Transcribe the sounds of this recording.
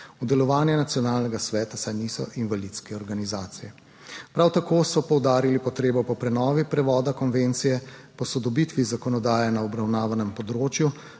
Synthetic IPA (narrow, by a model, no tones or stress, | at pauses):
ud̪ɛlɔʋaːnjɛnat̪sjɔnaːlnɛɡasʋɛːt̪asajnisɔʔinvalit̪skɛɔɾɡanizaːt̪sijɛ | pɾawt̪akoːsɔpɔwd̪aːɾilipɔt̪ɾeːbɔpɔpɾɛnɔːʋipɾɛʋɔːd̪akɔnʋent̪sijɛpɔsɔd̪ɔbit̪ʋizakɔnɔd̪aːjɛnaɔbɾawnaːʋanɛmpɔd̪ɾoːt͡ʃju